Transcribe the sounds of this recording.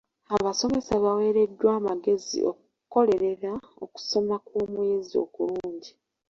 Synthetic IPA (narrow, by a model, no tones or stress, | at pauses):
aβaso̞me̞saβawe̞ːɾe̞dːwaːmaɡe̞zḭʔo̰ku | ko̞le̞ɾe̞ɾa | o̞̰ku̥somakwoːmujezio̞̰kuɾuːɲɟi